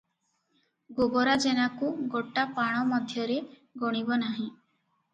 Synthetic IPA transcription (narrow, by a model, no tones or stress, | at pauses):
ɡoɡɔɾad͡ʒenakuɡoʈapaɽ̃ɔmɔd̪ʱjɔɾe | ɡɔɽ̃ibɔnaɦĩ